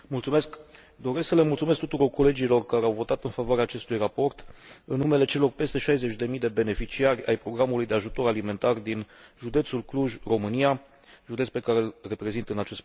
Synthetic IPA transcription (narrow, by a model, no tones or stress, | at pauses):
mult̪sume̞sk | d̪o̞ɾesksəlemult̪sumesk̚t̪ut̪uɾo̞rko̞le̞d͡ʒilo̞rkaɾeawvo̞t̪at̪ɨnfavoaɾeaːt͡ʃe̞st̪ujrapo̞rt̪ɨnːume̞le̞t͡ʃe̞lo̞rpe̞st̪e̞ʃajze̞t͡ʃʲd̪e̞mid̪e̞be̞ne̞fit͡ʃiarʲa̰jpɾo̞ɡɾamulujd̪e̞aʒut̪o̞ɾalime̞nt̪ard̪inʒud̪e̞t̪sulkluʒro̞mɨnija | ʒud̪e̞t̪spe̞kaɾe̞lre̞pɾe̞zint̪əɨnat͡ʃe̞st̪